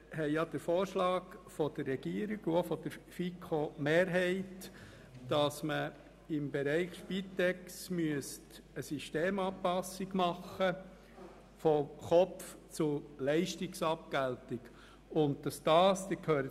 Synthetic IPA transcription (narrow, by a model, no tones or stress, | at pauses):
hɛɪjɑd̥̪əɾfɔːɾʃlɑːɡfɔd̥əɾːɛɡ̥iəɾɪɡuofɔd̥̪əɾfikʰomeːɾɦɛɪt | d̥ɑsmə | ɪmbɛɾɛɪχfitɛksmyəst | əsiʃteːmɑpɑsːɪɡmɑχə | fɔχɔpft͡sʊlɛɪʃtɪksɑp̚kæltɪk | ʊnt̚d̥ɑsd̥ɑːst̪ɪkʰøːɾə